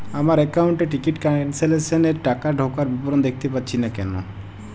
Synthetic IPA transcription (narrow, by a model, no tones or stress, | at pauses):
amaɾɛkauɳʈeʈikiʈkanseleseneɾʈakaɖʱokaɾbipɔɾond̪ek̚ʰt̪epatːʃʰinakɛ̰no̰